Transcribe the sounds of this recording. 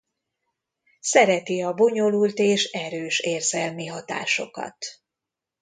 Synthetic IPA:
sɛɾɛt̪iɒbo̞ɲo̞lult̪eːʃɛɾøːʃeːrzɛlmiɦɒt̪a̰ːʃo̞̰kɒ̰t̪

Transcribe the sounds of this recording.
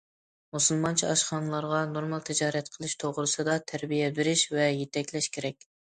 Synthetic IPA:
musɨlˠmɑnt͡ʃʰiɑʃχɑnɨlˠɑɾʁɑnoɾmɑlˠt̪ʰɪd͡ʒɑːɾɛt̪qʰəlˠɨʃt̪ʰoʁɾɨsɨd̪ɑt̪ʰæɾbijɛbɪɾɪʃvɛjet̪ɛkʲlɛʃkʲʰeɾɛkʲ

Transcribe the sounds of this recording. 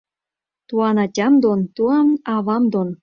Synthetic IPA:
t̪uɑnɑtʲɑmd̪ont̪uɑnɑβɑmd̪on

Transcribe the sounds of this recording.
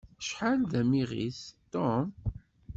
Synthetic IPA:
ʃħalðæmiʁḭθt̪ːɔm

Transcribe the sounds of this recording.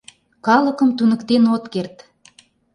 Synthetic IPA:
kɑlə̆kə̆mt̪unə̆kt̪enot̪kert̪

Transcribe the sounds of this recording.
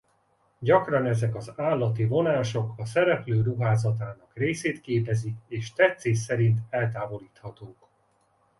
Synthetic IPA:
ɟɒkrɒnɛzɛkɒzaːlːɒt̪ivo̞naːʃo̞kɒsɛɾɛpløːruɦaːzɒt̪aːnɒkreːseːt̪keːpɛzikeːʃt̪ɛt̪seːsɛɾint̪ɛlt̪aːvo̞liːt̪hɒt̪oːk

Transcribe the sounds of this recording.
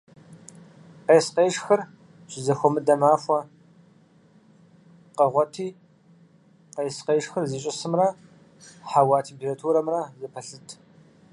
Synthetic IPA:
qeːsqeːʂxɨr | ɕɪzɐxʷɔmɨdɐmaːxʷɐ | qɐʁʷɔtʰiː | qejsqeːʂxɨrziːɕʼɪsɨmrɐ | ħawaːtʰempʰʲeratʰuːɾɐmrɐzɐpʰɐɬɨtʰ

